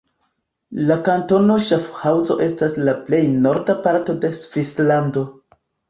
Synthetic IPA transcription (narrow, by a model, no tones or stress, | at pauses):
lakanto̞no̞ʃafhawzo̞̰ʔe̞staslaple̞jno̞ɾdapaɾto̞de̞sv̥islando̞